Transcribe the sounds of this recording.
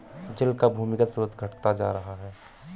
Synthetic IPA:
d͡ʒɪlkabʱuːmɪkət̪soːt̪ɡʱəʈt̪ad͡ʒaːɾɐɦaɦɛː

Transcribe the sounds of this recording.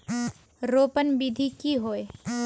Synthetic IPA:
ɾoːpənbid̪ʱikiɦoːe

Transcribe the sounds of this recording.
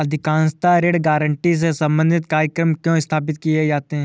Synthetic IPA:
ɐd̪ʱɪkãːnst̪aɾeːɽɡaːɾəɳʈis̬esɐ̃mbə̃nd̪ʱɪt̪kaːɾjəkɾəmkjõɪst̪ʰaːpɪt̪kied͡ʒaːt̪eɦɛ̃

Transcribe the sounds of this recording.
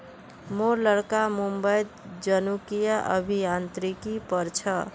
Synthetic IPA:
moɾləɽkamumbəj | d͡ʒənukijaʔə̰bʱijant̪ɾikipʌɾt͡ʃʰʌ

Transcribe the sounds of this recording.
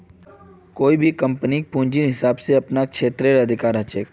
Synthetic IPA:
koːibʱikɐ̃mpənik̚pũːɲd͡ʒinɦɪsaːbseɐpnakʃeːt̪ɾeɾɐd̪ʱɪkaːɾɦɐt͡ʃeːk

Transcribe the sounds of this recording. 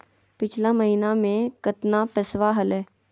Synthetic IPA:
pɪt͡ʃʰlaməɦiːnamẽkət̪napəsʋaɦɐlɛː

